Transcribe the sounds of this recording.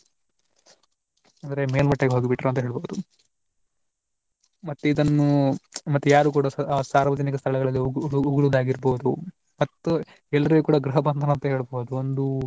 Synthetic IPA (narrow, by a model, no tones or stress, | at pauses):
ɐnd̪ɐɾe̞meːlmɐʈːɐɡeɦoːɡibiʈːɾuɐnt̪ɐɦe̞ːɭboːud̪u | mɐt̪ːuid̪ɐnːumɐt̪ːujaːɾuːkuːɽɐsaːɾʋɐd͡ʒɐnikɐst̪ʰɐɭɛɡɐɭɐlːiuuɡuɭud̪aːɡiɾboːud̪u | mɐt̪ːu | ɛlːɐɾiɡuːkuːɽɐɡɾuɦɐbɐnd̪ʰʱɐnɐɐnt̪ɐɦeːɭboːud̪uond̪u